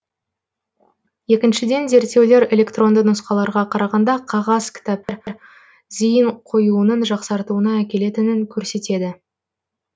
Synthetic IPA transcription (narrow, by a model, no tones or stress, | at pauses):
je̞kʲɪnʃɪd̪e̞nze̞ɾt̪ːe̞wle̞ɾe̞lʲe̞kt̪ro̞nd̪ənʊsqɑlˠɑɾʁɑqʰɑɾɑʁɑnd̪ɑqʰɑʁɑzkʲʰɪ̥t̪apɾɾ | zijəɴqʰo̞juənənʒɑqsɑɾt̪uənɑækʲe̞le̞t̪ɪnɪŋkʲʰɵɾse̞t̪e̞d̪ɪ